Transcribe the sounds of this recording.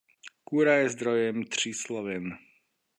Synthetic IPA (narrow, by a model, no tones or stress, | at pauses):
kuːɾajɛzd̪ɾɔjɛmt̪r̝̥iːslɔʋɛn